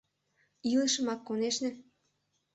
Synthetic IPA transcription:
ilə̆ʃə̆mɑkːoneʃnĕ

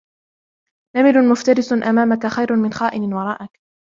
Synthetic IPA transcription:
namɪlʊnmʊft̪aɾɪsʊnʔamaːmakaxajɾʊmɪnxaːʔɪnɪnwɑɾˤɑːʔak

